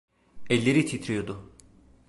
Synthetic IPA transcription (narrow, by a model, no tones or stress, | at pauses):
ɛlʲːeɾit̪ʰit̪ʰɾyjod̪ʊ